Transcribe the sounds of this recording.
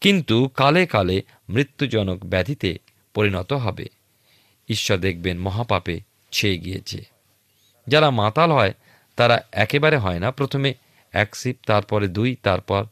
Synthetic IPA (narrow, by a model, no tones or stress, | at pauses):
kint̪ukalekale | mɾit̪ːud͡ʑɔnokbɛd̪ʱit̪ḛ | poɾinɔt̪oɦɔbḛ | iʃːɔɾd̪ek̚ʰbenmɔɦapape | t͡ɕʰeeɡijḛt͡ɕʰḛ | d͡ʑaɾamat̪alɦɔe | t̪aɾaɛkebaɾeɦɔenapɾot̪ʰome | ɛksip̚t̪aɾpɔɾed̪ujt̪aɾpɔɾ